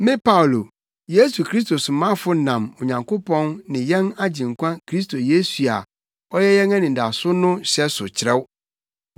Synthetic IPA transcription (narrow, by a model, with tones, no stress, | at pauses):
mɪ̃˦pʰa˦ʊ˨lo˨ | je˦su˨kʰɾi˦s̬to˨sʊ˨mã˦fʊ˦nã˨mo˨ɲã˨ŋkʰo˦pʰɔ̃˦nnɪ̃˨jɛ̃˦na˦d͡ʑĩ˨ŋ˨kʷʰã˦kʰɾi˦s̬tʰo˨je˦su˨a̰˨ | ɔ˦jɛ˦jɛ̃˦ŋã˦nĩ˨nda˨sʊ˦nʊ̃˦ɕɛ˦sʊ˨t͡ɕʰɪ˨ɾɛ˦w